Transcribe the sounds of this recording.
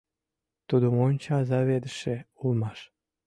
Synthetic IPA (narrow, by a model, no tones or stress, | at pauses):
t̪ud̪umonʲt͡ɕɑzɑβed̪əʃeulmɑʃ